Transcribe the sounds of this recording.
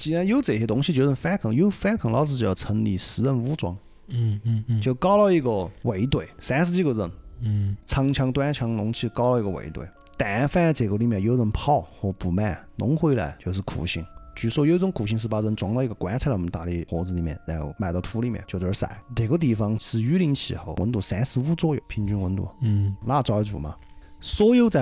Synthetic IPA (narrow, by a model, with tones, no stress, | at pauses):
t͡ɕi˧˥a˧˥njo˧˥ʊt͡sə˨˩ɕjɛ˧˥t̪ʊ˥ŋɕi˧t͡ɕjo˧ʊɻə˥˩nfa˥kʰɤ˨˩ŋjo˧˥ʊfa˥kʰɤ˨˩ŋlɑ˧ʊt͡sɹ̩˧t͡ɕo˧˩jɑ˧˩ʊt͡sʰə˧˥ŋli˧˩ʂɻ̩˧˥ɻə˥˧nu˧˥ʈ͡ʂwɑ̰˧˥ŋ | t͡ɕjo˥˧˩ʊkɑ˥ʊlɑ˥˧i˥˩ɡə˧we˧˥ɪt̪we˥˩ɪsa˥ʂɹ̩˧t͡ɕi˥˩ɡə˧˩ɻə˧˩n | t͡sʰɑ˧˥ŋt͡ɕʰjɑ˧˥ŋt̪wa˥nt͡ɕʰjɑ˧˥ŋnʊ˧˥ŋt͡ɕʰi˥˩kɑ˥ʊli˧˥ɡə˧wḛ˧˩ɪt̪wḛ˥˩ɪ | t̪a˨˩ɛ˧˥fa˥˧t͡se˨˩ɡə˧li˧˥˩mjɛ˧˩njo˧˥ʊɻə˥˧npʰɑ˥˧ʊxwɔ˥˩pu˨˩ma˥˩ɪnʊ˧˥ŋxwe˥ɪla̰˧ɪt͡ɕjo˥˧ʊʂɻ̩˥˧˩kʰṵ˨˩ɕi˥ŋt͡ɕy˧˩ʂwɔ˥˧jo˧˥ʊ˧t͡sʊ˧˥ŋkʰu˨˩ɕ̬i˧ŋʂ̬̩˥˧pa˧˥ɻə˧˥nt͡swŋt̪ɑ˥˧ʊi˧ɡə˧kwa˧˥t͡sʰɔ˨m˧˦t̪a˥˩li˥˩xwɔ˧˥t͡sɹ̩˧li˨˩mjɛ̰˥˩na˧˥˧ma˧ɪt̪ɑ˥˩ʊt̪ʰu˧˥li˧˩mjɛ̰˧˩nt͡ɕo˥˧ʊʈ͡ʂə˧˥˧sa̰˧˥˦ɪne˨˩ɡə˧t̪̬i˥˩fɑ˧ŋʂɻ̩˥˧y˧˥li˧˥ŋt͡ɕʰḭ˨˩xo˧˩ʊwə˧˥nt̪u˧˩sa˧˥ɪsɹ̩˧˥u˥˧t͡swɔ˥jo˨˧˩ʊpʰi˧˥ŋt͡ɕy˧˥nwə˧˥nt̪ṵ˧˩˦la˥˩t͡swɑ˧˩˥t͡sṵ˨˩mɐ̰˧swɔ˥jo˧ʊt͡sa˧˦